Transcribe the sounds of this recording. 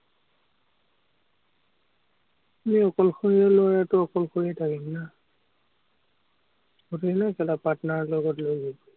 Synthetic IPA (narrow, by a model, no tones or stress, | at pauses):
miɔkɔlxoɹiɔlɔaɹatʊɔkɔlxoɹiɛtʰakimna | utunakɛlapatɔnaɹlɔɡɔtlojɡib